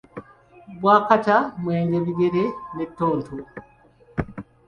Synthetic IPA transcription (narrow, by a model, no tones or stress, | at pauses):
βwaːkatamweːɲɟeβiɡeɾenetːoːntʰu